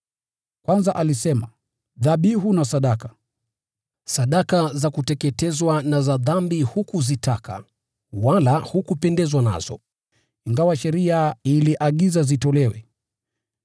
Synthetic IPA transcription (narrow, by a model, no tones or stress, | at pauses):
kwanzaʔalisɛma | ðaɓiɦunasaɗakḁ | saɗakazakutɛkɛtɛzwanazaðambihukuzitʰaka̰ | walahukupɛndɛzwana̰z̥ɔ̰ | iŋɡawaʃɛɾiailiʔaɠizazitɔlɛwɛ̰